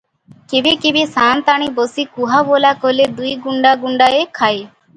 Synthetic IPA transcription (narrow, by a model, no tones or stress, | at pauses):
kebekebesaːnt̪aɽ̃ibosikuɦabolakoled̪ujɡuɳɖaɡuɳɖaekʰaj